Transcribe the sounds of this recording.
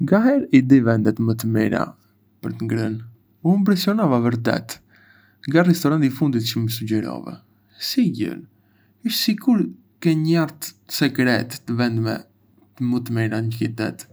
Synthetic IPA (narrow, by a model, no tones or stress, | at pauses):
ŋɡaɦɛɾid̪ivɛnd̪ɛt̪mət̪əmḭɾa̰ | pəɾt̪əŋɡɾən | ump̬ɾɛsiɔnavavəɾt̪ɛ̰t̪ | ŋɡarɛst̪ɔɾant̪ifund̪it̪t͡ʃəməsud͡ʒɛɾɔ̰vɛ̰ | siɟə̰l | əʃsikuɾ | kɛɲəjaɾt̪sɛkɾɛt̪ːəvɛnd̪mɛ̰ | t̪əmət̪əmiɾaɲəkit̪ɛ̰t̪